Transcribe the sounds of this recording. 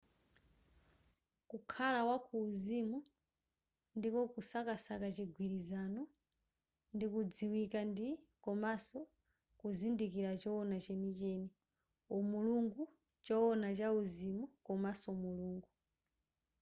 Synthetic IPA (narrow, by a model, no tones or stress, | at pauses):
kukʰalawakʰuːzimu | ndikɔkusakasakat͡ʃiɡʱwiɾizanɔ | ndikud͡ziwikandi | kɔmasɔ | kuzindikiɾat͡ʃɔɔnat͡ʃɛnit͡ʃɛni | umuluŋɡu | t͡ʃɔɔnat͡ʃauzimukɔmasɔmuluːŋɡu